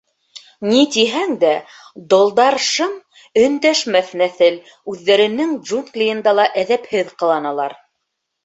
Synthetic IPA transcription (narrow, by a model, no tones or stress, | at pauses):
nit̪iɦæŋd̪æ | d̪ŏlˠd̪ɑɾʃɤm | ɵ̆nd̪æʃmæθnæθɘl | ʉðːæɾɘ̆nɘŋʒunklʲijɤ̆nd̪ɑlˠɑʔæðæphɘðqɤ̆lˠɑnɑlˠɑɾ